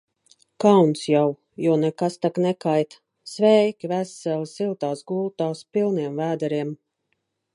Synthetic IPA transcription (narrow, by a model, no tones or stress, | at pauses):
kawnsjaw | juɔnɛkast̪aknɛkajt̪ | svɛjkʲivæsɛlsilˠt̪aːsɡulˠt̪aːspilˠniɛmvæːd̪aɾiɛm